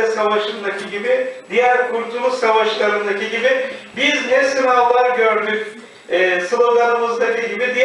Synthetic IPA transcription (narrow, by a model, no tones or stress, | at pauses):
ɛsavaʃɯnd̪acʰiɟibid̪ijæɾkʰuɾt̪ʰumusavaʃlˠaɾɯnd̪aciɟibɪbizɦɛsinalˠaɾɟø̞ɾd̪ycʲ | ɛːsɯlˠɯɾlˠaɾɯmɯzd̪acʰiɟibid̪ij